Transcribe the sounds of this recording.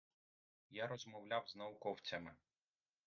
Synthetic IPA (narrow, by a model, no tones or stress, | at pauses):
jaɾɔzmɔwlʲawznɐʊkɔwt͡sʲɐmɪ